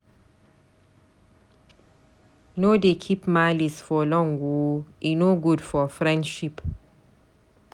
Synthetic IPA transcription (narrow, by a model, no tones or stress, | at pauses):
nodekʰipmalisfɔlɔ̃ŋɡoʔinoɡudfɔfɹɛ̃ndʃip